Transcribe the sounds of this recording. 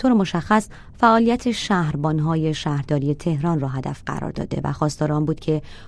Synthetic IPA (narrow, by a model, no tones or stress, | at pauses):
t̪oːɾemo̞ʃæxːæs | fæʔɒːlijæt̪ʰe̞ʃæːhɾbɒːnɦɒːje̞ʃæːhɾd̪ɒːɾije̞t̪ʰe̞hɾɒːnrɔːɦæd̪æ̰fɢæ̰ɾɒ̰ɾd̪ɒ̰ːd̪e̞̰væ̰xɒːst̪ɒːɾeɒnbuːd̪cʰe̞